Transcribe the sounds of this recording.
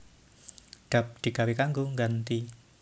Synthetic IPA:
ɖ̥a̤p̚ɖ̪̥i̤ɡawikaŋɡoŋɡant̪i

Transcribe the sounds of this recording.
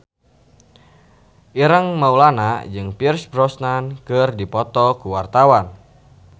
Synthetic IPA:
ʔiɾəŋmaulanad͡ʒɨŋpirsbɾɔsnankɨrdipɔt̪ɔkuwart̪awan

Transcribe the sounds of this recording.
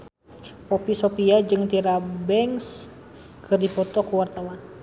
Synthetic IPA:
pɔpisɔpiad͡ʒɨŋt̪iɾabɛŋs | kʰɨrdipɔt̪ɔkuwart̪awan

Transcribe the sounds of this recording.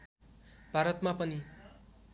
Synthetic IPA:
b̥ʱaɾʌt̪mapʌni

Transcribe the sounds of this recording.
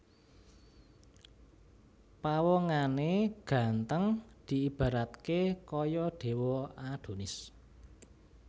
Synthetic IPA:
pawɔŋaneɡ̥ä̤nt̪əŋd̪̥i̤ib̥a̤ɾat̪kekɔjɔɖ̪̥e̤wɔad̪̥o̤nɪs

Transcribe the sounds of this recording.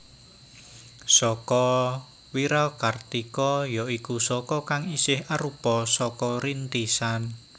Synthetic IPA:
sɔkɔ | wiɾalkart̪ikɔjɔʔikusɔkɔkaŋisɪhaɾupɔsɔkɔɾint̪isan

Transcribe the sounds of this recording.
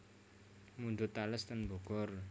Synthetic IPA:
mundʊt̪ːaləst̪ənmboɡ̥ɔr

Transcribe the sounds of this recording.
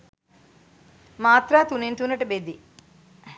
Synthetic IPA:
maːt̪ɾaːt̪uniɳʈ̪unːɐʈubed̪i

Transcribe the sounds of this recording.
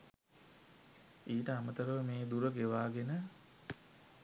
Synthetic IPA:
iːʈəamət̪əɾəʋəmeːd̪uɾəɡeʋaːɡenə

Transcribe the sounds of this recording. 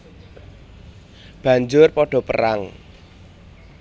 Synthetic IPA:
b̥ä̤ɲd͡ʒʊrpɔɖ̥ɔ̤pəɾa̰ŋ

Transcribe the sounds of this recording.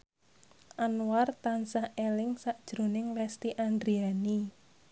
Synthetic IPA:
ʔanwart̪ansahelɪŋsaʔd̥ʒ̥ɾo̤nɪŋlɛst̪iʔand̪ɾiani

